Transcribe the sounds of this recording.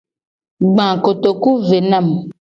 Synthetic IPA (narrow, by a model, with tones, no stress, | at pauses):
ɡ͡bã˨ko˨t̪o˨ku˦ve˨nã˦˨m